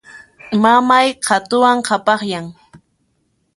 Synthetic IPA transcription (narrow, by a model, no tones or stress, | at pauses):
mamajqʰat̪ʊwaŋqʰɑpɑχjaŋ